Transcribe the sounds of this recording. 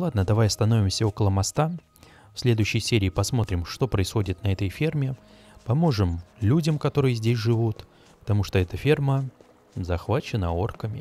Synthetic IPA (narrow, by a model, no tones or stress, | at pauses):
lˠad̪nəd̪ɐvajɐst̪ɐno̞vʲɪmsʲəo̞kəlˠəmɐst̪a | fsʲlʲe̞d̪ʊjʉɕːɪjsʲeɾʲɪːpɐsmo̞t̪ɾʲɪmʂt̪o̞pɾəɪsxo̞dʲɪt̪nɐɛt̪əjfʲermʲɪ | pɐmo̞ʐɨmlʲudʲəmkɐt̪o̞ɾɨjəzʲdʲes̬ʲʐɨvut̪ | pə̥t̪ɐmuʂt̪oɛt̪əfʲe̞rmə | zɐxvat͡ɕɪnəo̞rkəmʲɪ